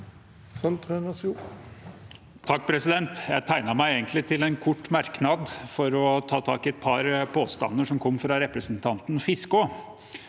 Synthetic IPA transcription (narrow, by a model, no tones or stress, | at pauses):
sɔnt̪ʰɾønɑsu | t̪ʰɑk̚ːpʰɾɛsɪd̪ɛnt̪jæɪt̪ʰæɪnɑmæɪeːɡənt̪lɪt̪ʰɪlɛnkʰʊʈːmæɾknɑd̪fɔɾɔt̪ʰɑːt̪ʰɑ̰ːkɪɛt̪̚pʰɑɾpʰoːst̪ɑ̰nːəʂɔmkʰɔmːfɾɑɾɛpɾəsnt̪ʰɑnt̪n̩fɪskʊ